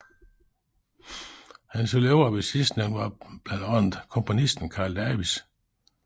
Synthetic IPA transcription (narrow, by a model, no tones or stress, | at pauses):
hænsoleʊɐʋesisd̥nænʋɑ̈b̥lænd̥ɒn̰ð̩ˠkʰɔ̽mpʰo̝nisd̥n̩kʰɑ̈ːld̥æɐʋis